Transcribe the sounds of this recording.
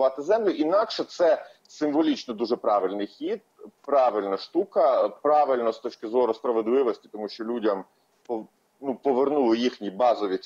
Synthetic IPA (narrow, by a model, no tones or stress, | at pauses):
ʋɑt̪ɪzɛmlʲʊʔinɑkʃɛt̪sɛ | sɪmʋɔlʲit͡ʃnɔd̪uʒɛpɾɑʋɪlʲnɪjxʲid̪̚pɾɑʋɪlʲnɐʃt̪ukɐpɾɑʋɪlʲnɔst̪ɔt͡ʃkɪzɔɾʊspɾɐʋed̪lˠɪʋɔsʲtʲi̥t̪ɔmuʃt͡ʃɔlʲudʲɐm | pɔ | nupɔʋernulˠɪjixnʲibɑzɔʋʲi